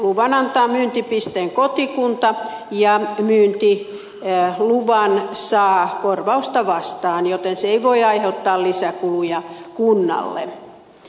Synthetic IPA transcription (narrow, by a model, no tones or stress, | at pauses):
luʋɑnɑnt̪ɑːmyːnt̪ipist̪eːŋkot̪ikunt̪ɑjɑmyːnt̪i | luʋɑnsɑːkorʋɑust̪ɑʋɑst̪ɑːnjot̪enseiʋoiɑiheut̪ːɑːllisækulujɑkunːɑ̰lːḛ